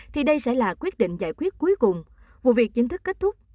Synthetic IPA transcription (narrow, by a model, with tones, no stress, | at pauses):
t̪ʰi˨˩ɗə˧jsɛ̰˧˥laː˨˩kwi˦˥ət̚ɗḭ˧˨ŋ̟za̰ː˧˨jkwi˦˥ət̚ku˨˦jkʊ˨˩ŋ͡m | vṵ˧˨vi˨˩ək̚t͡ɕï˨˧˦ŋ̟t̪ʰɨ˦˥kːeː˦˥t̚t̪ʰʊ˦˥k͡p̚